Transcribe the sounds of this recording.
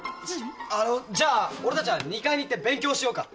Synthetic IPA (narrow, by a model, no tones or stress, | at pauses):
anod͡ʑaːo̞ɾe̞t̪at͡ɕiβaɲ̟ikaiɲ̟iːt̪ːebẽ̞ŋkʲo̞ːɕijo̞ːka